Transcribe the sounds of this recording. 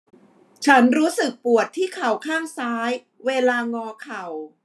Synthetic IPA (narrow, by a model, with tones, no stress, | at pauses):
t͡ɕʰa˦˥nɾuː˦˥sɯ˨˩k̚pu˨˩ət̪ʰːiː˥˩kʰa˨˩wkʰaː˥˩ŋsaː˦˥j | weː˧laː˧ŋɔː˧kʰa˨˩w